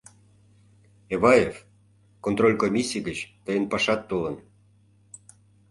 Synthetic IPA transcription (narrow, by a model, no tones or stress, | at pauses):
eβɑjef | kont̪rolʲkomʲisʲiɡət͡ɕt̪əjənpɑʃɑt̪ːolən